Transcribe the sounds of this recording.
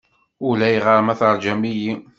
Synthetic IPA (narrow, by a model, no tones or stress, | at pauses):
ʊlæjʁəɾˤmæθəɾˤd͡ʒæmiji